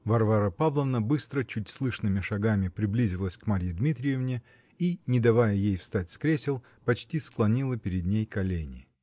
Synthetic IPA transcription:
vɐrvaɾəpavlˠəvnəbɨst̪ɾət͡ɕutʲslˠɨʂnɨmʲɪʂɐɡamʲɪpɾʲɪblʲizʲɪlˠəsʲkmaɾʲjɪd̪mʲit̪ɾʲɪjɪvnʲɪ | inʲɪd̪ɐvajəjejfst̪atʲskɾʲesʲɪlˠ | pɐt͡ɕtʲisklˠɐnʲilˠəpʲɪɾʲɪd̪nʲejkɐlʲenʲɪ̰

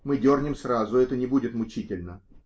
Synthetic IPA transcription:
mɨdʲornʲɪmsrazʊɛt̪ənʲɪbudʲɪt̪mʊt͡ɕitʲɪlʲnə

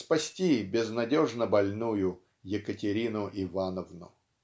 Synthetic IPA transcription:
spɐsʲtʲibʲɪznɐdʲoʐnəbɐlʲnujʊ | jɪkətʲɪɾʲinʊʔɪvanəvnʊ̰

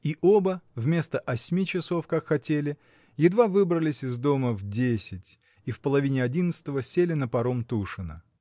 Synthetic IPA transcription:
iʔo̞bəvmʲe̞st̪əʔɐsʲmʲit͡ɕɪso̞fkakxɐtʲelʲɪ | jɪd̪vavɨbɾəlʲɪsʲɪzd̪o̞məvdʲesʲɪtʲ | ifpəlˠɐvʲinʲɪɐdʲinət̪sɨ̥t̪əvəsʲelʲɪnəpɐɾo̞mt̪uʂɨnə̰

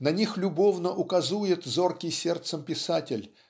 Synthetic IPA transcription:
nɐnʲixlʲʊbo̞vnəʔʊkɐzujɪt̪zo̞rkʲɪjsʲert̪səmpʲɪsatʲɪlʲ

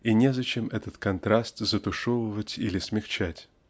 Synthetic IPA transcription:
inʲezɐt͡ɕemɛt̪ət̪kɐnt̪ɾast̪zət̪ʊʂovəvətʲilʲɪsmʲɪxt͡ɕætʲ

